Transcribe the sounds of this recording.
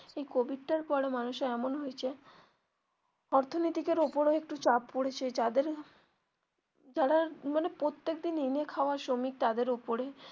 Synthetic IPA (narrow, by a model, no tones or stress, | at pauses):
ejkobiʈ̚ʈaɾpɔɽemanuʃeɛmonɦojet͡ɕʰe | ɔɾt̪ʰonit̪ikeɾopoɾoek̚ʈut͡ɕappoɽet͡ɕʰed͡ʑad̪eɾ | d͡ʑaɽamanepɾot̪ːek̚d̪ininekʰaoaɾʃomik̚t̪ad̪eɾopoɾe